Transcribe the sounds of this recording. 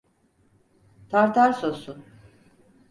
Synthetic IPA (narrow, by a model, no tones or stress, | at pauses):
t̪ʰaɾt̪ʰaɾsosun